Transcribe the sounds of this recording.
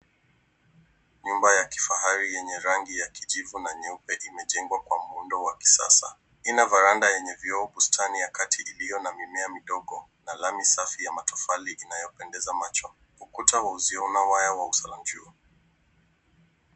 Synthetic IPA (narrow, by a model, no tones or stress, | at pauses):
ɲumbajaki̥faɦaɾijɛɲɛɾaŋɡijakiʄivunaɲɛupɛʔimɛʄɛŋɡwakwamuundɔwaki̥sa̰sa̰ | inavaɾandajɛɲɛvjɔːɓustʰanijakatiʔilijɔnamimɛamiɗɔɠɔ | nalamisafijamatufaliʔinajɔpɛndɛzamat͡ʃɔ | ukutawauziɔunawajawausalam̩d͡ʒuɔ